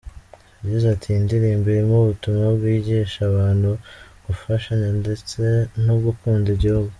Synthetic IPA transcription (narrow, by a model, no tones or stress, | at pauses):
aɟizatʰindiɾimbeɾemuβutumŋabɡwiːɟiʃaβaːnhuɡ̥ufaʃaɲande̞t͡se̞nobɡukuːndiɟihuɡu